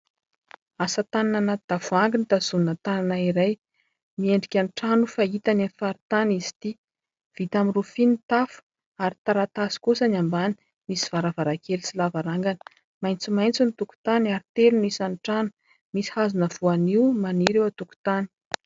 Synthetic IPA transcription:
asat̪anananat̪d̪̥avuaŋɡinit̪az̥unət̪ananaiɾaj | mieɳɖ͡ʐikʲanʈ͡ʂanufait̪anenifaɾit̪anizi̥t̪i | v̥it̪amirufinit̪afu̥ | aɾit̪aɾat̪asi̥kusanambani̥ | misi̥v̥aɾavaɾakʰelisilavaɾaŋɡanə̥ | majnt͡simajnt͡sinit̪uku̥t̪anaɾit̪elunisanʈ͡ʂanu̥ | misi̥hazunəvuaniumaniɾewat̪uku̥t̪ani̥

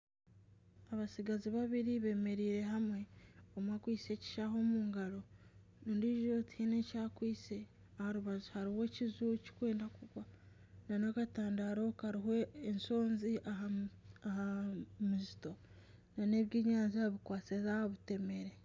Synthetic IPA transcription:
aβasiɡaziβaβiɾiβe̞me̞ɾiːɾe̞ɦamwe̞omakwiːse̞ːci̥ʃaɦo̞muːŋɡaɾo̞ | nuːndiʒotihinecaːkwiːse̞ | ahaɾuβazuhaɾiwe̞cizuci̥kwe̞ːndakuɡwa | nanokataːndaɾo̞kaɾiɦoːnso̞ːnziʔa | ahamuzito̞ | nane̞ːβjiːɲaːnzaβikwaːt͡sezahoβute̞me̞ɾe

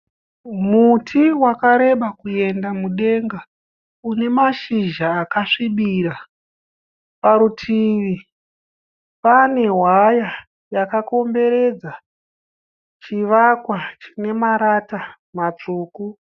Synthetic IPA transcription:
mutʰiwakaɾe̞ɓakuje̞ndamuɗe̞ŋɡa | une̞maʃiʒaːkaʂiɓiɾa | paɾutʰiʋi | pane̞ɦwaja | jakako̞mbe̞ɾe̞d͡za | t͡ʃiʋakwat͡ʃi̥ne̞maɾata | mat͡ʂuːku

